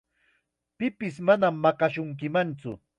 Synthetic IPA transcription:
pɪpɪsmanamːɑkɑʃʊŋk̬ɪmant͡sʊ̰

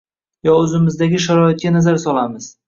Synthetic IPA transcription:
jɒɵzɪmɪzd̪aɡʲɪʃ̬aɾɒɪt̪̚kʲanazaɾsɒlamɪz̥

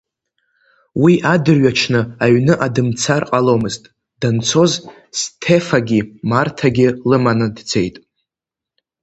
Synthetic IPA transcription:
wiʔadɨrɥat͡ʃʰnɨaɥnɨʔadɨmt͡sʰarqʼalo̞mɨztʼ | d̥ant͡sʰo̞z | stʰe̞faɡʲimartʰaɡʲɪlɨmanɨdd͡ze̞jtʼ

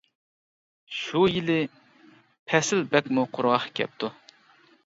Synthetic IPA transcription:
ʃujilɪ | pʰɛsɪlbɛkʲmuqʰʊɾʁɑχkʲʰɛ̰p̚t̪ʰu

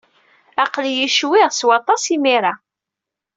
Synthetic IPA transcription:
ɑqljiʃwɪʁswɑt̪ˤɑsimiɾa

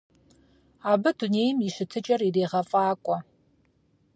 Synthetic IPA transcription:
aːbɨduneːjmiʃɨtʰɨt͡ʃʼɐrireːʁɐfʼaːkʷʼɔ

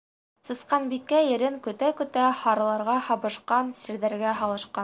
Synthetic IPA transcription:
sɤ̆sqɑnbikːæjɘ̆ɾɘŋkɵ̆t̪ækɵ̆t̪æhɑɾɤ̆lˠɑɾʁɑhɑβɤ̆ʃqɑnsiɾðæɾɡæɦɑlˠɤ̆ʃqɑn

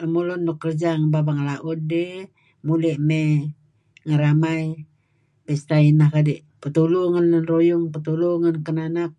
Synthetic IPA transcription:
əmulundokːərd͡ʒaŋəbabaŋəlaʔut̪̚de | muleʔme | ŋəɾamai | pist̪ainakadiʔ | pət̪uluŋanlənrojuŋpət̪uluŋankənanak̚

